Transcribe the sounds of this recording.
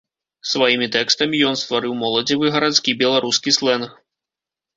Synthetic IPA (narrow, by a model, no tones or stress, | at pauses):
svajimʲit̪ɛkst̪ɐmʲijɔnst̪vaɾɨwmɔlˠɐd͡zʲivɨɣɐɾat̪skʲibʲɛlˠaɾuskʲislˠɛnx